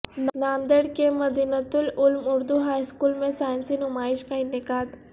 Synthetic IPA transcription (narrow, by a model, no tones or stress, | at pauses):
nnãːnd̪əɽkemɐd̪iːnət̪ʊlʊlmʊɾd̪uɦaːjskuːlmẽsaːjnsinʊmaːɪʃkaɪnːɪkaːd̪